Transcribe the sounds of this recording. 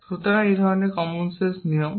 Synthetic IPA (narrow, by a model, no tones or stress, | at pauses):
sut̪ɔɾaejd̪ʱɔɾɔnekɔmunsesnijɔm